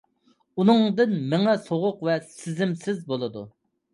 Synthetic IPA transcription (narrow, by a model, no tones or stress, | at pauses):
unɨŋd̪ɪnmɪŋɛsoʁʊqvɛsɪzɪmsɪzbolˠɨd̪u